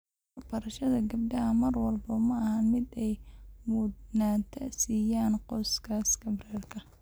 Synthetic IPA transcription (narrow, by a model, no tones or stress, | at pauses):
wrbɐɾɐʃɐðɐɡɐb̚ɖɐɦɐmɐrwɑlbɐmɐɐhɐnmɪd̪ɛjmʊːd̪naːt̪ʰɐsiːjaːnqɔskʰaskɐbrɛːrkʰɐ